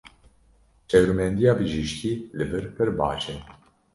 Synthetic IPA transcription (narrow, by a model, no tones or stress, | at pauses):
t͡ʃɛwɾmɛnd̪ijɑːbɨʒiʃciːlɨbɨɾpʰɨɾbɑ̰ːt͡ʃɨn